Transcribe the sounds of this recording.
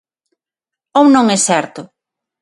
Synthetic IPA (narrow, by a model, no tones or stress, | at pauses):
ownõŋɛsɛɾt̪ʊ